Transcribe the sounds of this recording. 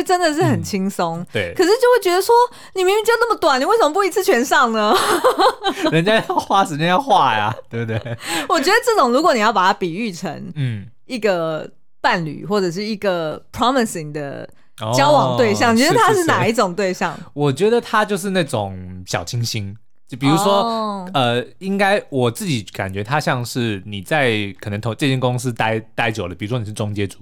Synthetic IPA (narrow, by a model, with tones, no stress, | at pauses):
ʈ͡ʂə˦nd̪ə˨ʂ̬ɻ̩˥˩xə˨˩nt͡ɕʰi˥ŋso˥ŋt̪we˥˩kʰə˨˩ʂ̬ɻ̩˥˩t͡ɕjo˥˧ʊwe˥˩t͡ɕɥɛ˧d̪ə˧ʂwɔ˦˥ | ni˨˩mi˧˦ŋy˧˩t͡ɕɛ˧˥nə˥˩mə˩t̪wa˨˩ni˨we˥˩ɪsə˧mə˧p̬u˥˩i˧˥t͡sʰɹ̩˥˩t͡ɕʰɥɛ˧˥nʂɑ˥˩ŋnə˦ | ɻə˧˦nt͡ɕja˥jxwa˥˩ʂɻ̩˧˥t͡ɕjɛ˥˧njɑ˥˧ʊxwa˥˩a̰˨˩t̪we˥˩bt̪we˥˩ɪwɔ˨˩t͡ɕɥɛ˧˥d̪ə˧ʈ͡ʂɤ˥˩ʈ͡ʂʊ˨˩ŋlu˧˥kwɔ˧˦ni˨jɑ˥˩ʊpa˨˩t̪ʰa˥pi˨˩y˥˩ʈ͡ʂʰə̰˧˥ŋn̩˥˩ | i˥˩ɡə˩ | pa˥˩nly̰˨˩xwɔ˥˩ʈ͡ʂɤ˨˩ʂ̬ɻ̩˥˩i˧˩ɡə˨˩pʰɹɑ˦mə˨si˨˩ŋd̪ə̰˨˩ | ɔ˧t͡ɕjɑ˥ʊwɑ˨˩t̪we˥˧ɪɕjɑ˥˨ŋʰ˨˩˧də˧t̪ʰa˥ʂɻ̩˥˩na˨˩i˥˩ʈ͡ʂʊ˨˩ŋt̪we˥˧ɪɕjɑ̰˥˨ŋwɔ˨˩t͡ɕɥɛ˧˥d̪ə˨t̪ʰa˥t͡ɕjo˥˧ʊʂ̬ɻ̩˥˧na˥˩ʈ͡ʂʊ˨˩ŋɕjɑ̰˨˩ʊt͡ɕʰi˥ŋɕi˥ŋ˥ | pi˨˩ɻu˧˥ʂwɔ˦ə˧i˥ŋka˥ɪwɔ˨˩t͡s̩˥˩t͡ɕi˨˩ka̰˨˩nt͡ɕɥɛ˧˦˥t̪ʰa˦ɕjɑ˥˧ŋʂɻ̩˥˩ni˨˩t͡sa˥˩ɪkʰə˨˩nə˧˦ŋt̪ʰo˧˥ŋʈ͡ʂɤ˥˧t͡ɕɛ˥˩nkʊ˦˥ŋs̩˦t̪a˥ɪt̪a˥ɪt͡ɕjo˨˩ʊd̪ə˩pi˨˩ɻu˦˥ʂwɔ˥n˨˩ʂ̬ɻ̩˥˩ʈ͡ʂʊ˥ŋt͡ɕjɛ˥ʈ͡ʂu̥˨˩